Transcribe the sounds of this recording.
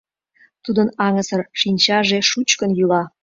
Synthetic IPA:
t̪ud̪ənɑŋəsərʃinʲt͡ɕɑʒeʃut͡ɕkənjylɑ

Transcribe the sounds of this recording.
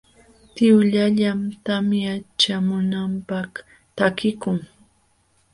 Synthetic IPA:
t̪ɪwʎaʎamt̪amjat͡ʃamʊnampak | t̪akɪkʊŋ

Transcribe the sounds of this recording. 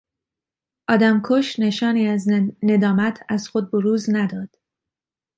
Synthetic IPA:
ʔɒːd̪æmkʰoʃne̞ʃɒːniːæzne̞d̪ɒːmæt̪ʰæzxod̪̚boɾuːznæd̪ɒːd̪̥

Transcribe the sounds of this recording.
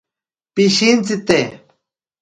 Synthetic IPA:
piʃint͡sit̪e

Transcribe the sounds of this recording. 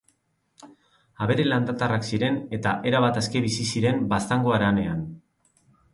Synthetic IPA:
aβe̞ɾeland̪at̪araksiɾe̞ne̞t̪aʔe̞ɾaβat̪eske̞βisisiɾe̞mbast̪aŋɡo̞aɾane̞an

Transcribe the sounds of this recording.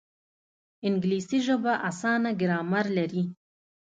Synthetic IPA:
ɪŋɡlisiʒəbaʔasɑːnaɡɪɾɑːmaɾlaɾi

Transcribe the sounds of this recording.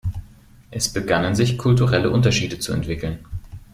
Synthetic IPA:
ʔɛsb̥əɡanənzɪçkʰʊltuʁɛləʔʊntɐʃiːdət͡suɛ̰ntv̥ɪkl̩n

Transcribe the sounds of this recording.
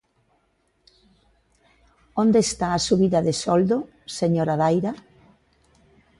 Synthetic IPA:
ond̪est̪aːsuβiðɐðesɔld̪o | seɲoɾaðajɾɐ

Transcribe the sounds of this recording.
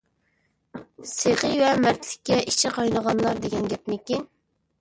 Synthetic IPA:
seʁɨjwɛmæɾt̪ʰlɪkʲːɛʔit͡ʃʰɪqʰɑjnəʁɑnlˠɑɾd̪eɡʲɛnɡʲɛpmɪkʲin

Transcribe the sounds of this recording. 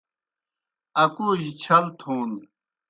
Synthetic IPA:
ɐkuːʑit͡ɕʰɐlt̪ʰoːn

